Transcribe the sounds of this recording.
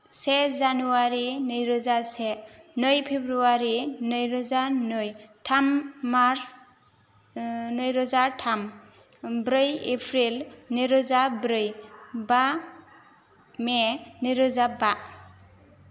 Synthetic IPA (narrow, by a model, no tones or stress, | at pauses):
sezanuaɾinɯjɾɔzasenɯjpʰebɾuaɾinɯjɾɔzanɯjtʰammaɾs | nɯjɾɔzatʰam | bɾɯjepʰɾilniɾɔzabɾɯjba | meniɾɔzaba